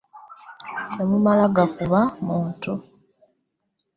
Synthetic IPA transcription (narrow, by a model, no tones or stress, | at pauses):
emumalaɡakuβamuːntu